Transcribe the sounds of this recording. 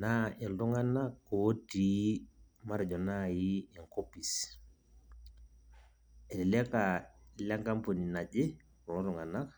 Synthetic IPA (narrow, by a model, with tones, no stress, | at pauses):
na˦ʔɛ˨ltu˦ŋa˦na˦kːo˨o˦ti˦ma˦ɾɛ˨d͡ʒɔ˨na˦ji˦ɛ˨ŋko˦pi˨s | ɛ˨lɛ˨lɛ˦ka˨la˦ŋka˦mpo˨ni˨na˨d͡ʒe˦ | ɾɔ˨nɔ˦tu˨ŋa˨na˦k